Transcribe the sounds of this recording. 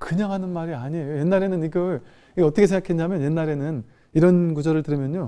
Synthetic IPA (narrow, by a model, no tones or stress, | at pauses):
kɯɲaŋɦanɯnmaɾiaɲiejoje̞nːaɾe̞nɯniɡʌ | iɡʌʌt͈ʌkʰes̬ʰeŋɡakʰenɲjamjʌnje̞nːaɾe̞nɯn | iɾʌnɡud͡ʑʌɾɯɭtɯɾɯmjʌɲːo